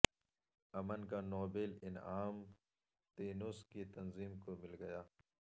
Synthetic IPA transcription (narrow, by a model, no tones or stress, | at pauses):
ɐmənkanɔːbelɪnaːm | t̪eːnuskit̪ɐnziːmkomɪlɡɐjaː